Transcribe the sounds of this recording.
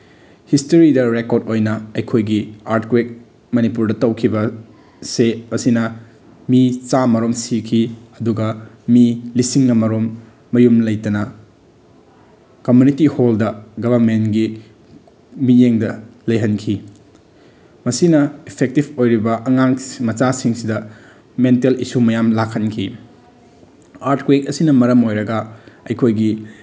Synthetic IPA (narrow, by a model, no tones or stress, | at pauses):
histoɾidɐɾekoɾdojnɐɐjkʰojɡiaɾtkwek̚ | mɐnipuɾdɐtɐwkʰibɐ | seɐsinɐ | mit͡ʃamɐɾomsikʰiɐduɡɐ | milisiŋːɐmɐɾomː | ɐjumlɐjtɐnɐ | kɐmjunitiholdɐɡɐbʱɐɾmenɡi | mijeŋdɐlɐjɦɐnkʰi | mɐsinɐipʰek̚tibojɾibɐʔɐŋaŋmɐt͡ʃasiŋsidɐ | mentelisumɐjamlakʰːɐnkʰi | aɾtkwek̚ɐsinɐmɐɾɐmojɾɐɡɐɐjkʰojɡi